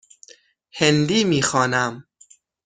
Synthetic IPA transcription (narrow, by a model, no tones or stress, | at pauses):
hend̪iːmiːxɒːnæm